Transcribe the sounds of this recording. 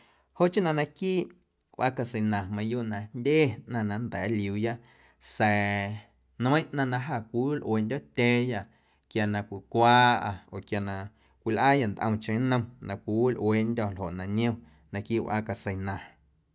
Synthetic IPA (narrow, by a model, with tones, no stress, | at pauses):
ho˦˨ʔt͡ʃĩ˦nã˧nã˧kiː˦˨ | ʔʷwʷʔa̰˦ka˧sə˨nã˨mã˧˦juː˦ʔnã˨ndʲeː˦ʔnã˧nã˧nd̪ɛː˨˦li˨uː˨ja˦ʔ | sɛ˨ | ñ˦ə̃˦˧ʔnã˧nã˧ɦa˧˨kʷi˨˦wlʔweː˨ndʲɔ˦˨t̪ʲẽː˦ja˧˨ʔ | kja˨nã˧kʷi˨kʷaː˦ʔa˧o˨kja˨nã˧ | kʷi˨lʔaː˦ja˧˨nd̪ʔə̰̃˧w̃t͡ʃẽ˧˨˦nə̃˧nã˧˨kʷi˨˦wu˦lʔweː˨ndʲɔ˧˨lɦo̰˨ʔnã˨ɲĩ˦õ˦ | nã˧kiː˦ʔwʔa̰ː˧˦ka˨sə˨jnã˨